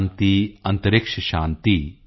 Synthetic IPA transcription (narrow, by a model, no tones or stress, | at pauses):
nt̪iɐnt̪ɐɾikʂɐʃaːnt̪i